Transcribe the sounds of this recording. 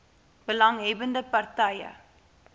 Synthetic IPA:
b̥əlãŋɦebəndəpɐrtajə̰

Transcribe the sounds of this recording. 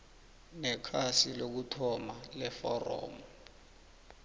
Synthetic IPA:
nɛkʰasilok̬utʰɔmalɛfɔrɔ̰ːmu

